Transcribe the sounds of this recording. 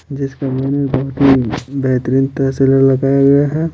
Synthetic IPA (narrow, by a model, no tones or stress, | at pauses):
d͡ʒɪskamaːnebɐɦʊt̪ibɛɦt̪ɾiːnt̪əseləɾlɐɡaːjaɡɐjaɦɛ